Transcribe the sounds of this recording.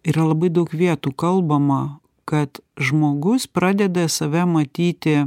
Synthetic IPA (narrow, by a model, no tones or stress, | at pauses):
iːɾɐlˠɐbɐɪd̪ɐʊkʋʲiɛt̪uːkɐlˠbɐmɐ | kɐt̪ʒmoːɡʊspɾɑːd̪ʲɛd̪ɐsɐʋʲɛmɐt̪ʲiːt̪ʲɪ